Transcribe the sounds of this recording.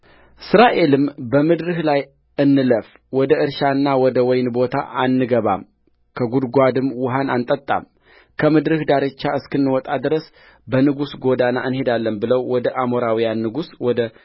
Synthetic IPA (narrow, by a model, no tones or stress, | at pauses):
ɨsɾaʔe̞lɨmbəmɨd̪ɾɨhlaj | ɨnːɨləf | wɔd̪əʔɨɾʃanːawɔd̪əwɔjnbo̞t̪ʰa̰ʔanːɨɡəβa̰m | kʰəɡud̪ɡʷad̪ɨmwʊɦanant̪ʼət̪ʼːa̰m | kʰəmɨd̪ɾɨhd̪aɾɨt͡ʃːaɨskɨnːɨwɔt̪ʼad̪ɨɾəs | bənɨɡusɡo̞d̪anaʔɨnhe̞d̪alːəmbɨləwwɔd̪əʔamoɾawijanːɨɡuswɔd̪ə